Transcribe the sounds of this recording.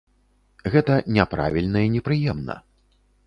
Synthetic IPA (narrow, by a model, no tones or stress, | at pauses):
ɣɛt̪ɐnʲɛpɾa̰vʲilʲnɐinʲɛpɾɨjɛmnɐ̰